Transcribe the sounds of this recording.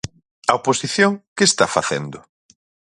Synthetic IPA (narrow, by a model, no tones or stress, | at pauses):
ɐoposiθjoŋkest̪afaθend̪ʊ